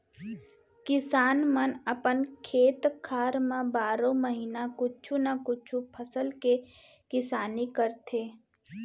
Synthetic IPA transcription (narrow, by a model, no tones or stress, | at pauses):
kɪsaːnmənəpənkʰeːt̪kʰaːɾmãbaːɾõməɦiːnakʊt͡ʃʰunakʊt͡ʃʰupʰəsəlke | kɪsaːnikəɾt̪ʰeː